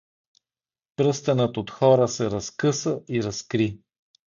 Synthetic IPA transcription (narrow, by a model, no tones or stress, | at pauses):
pɾɤst̪ɛnət̪ot̪xɔɾəsɛɾɐskɤsəiɾɐskɾi